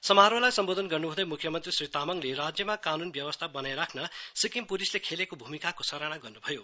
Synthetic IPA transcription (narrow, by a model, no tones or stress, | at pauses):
sʌmaɦɾolajsʌmbod̪ʱʌnɡʌrnuɦũd̪ʌjmukʰjʌmʌnt̪risrit̪amʌŋleɾad͡zjʌmakanunbjʌwʌst̪ʰabʌnajɾakʰnʌsikimpulislekʰelekobʱumikakosʌɾaɽ̃aɡʌrnubʱʌjo